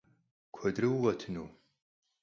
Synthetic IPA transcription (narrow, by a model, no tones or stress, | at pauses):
kʷʰɔdrɨwʁɐtʰɨnuː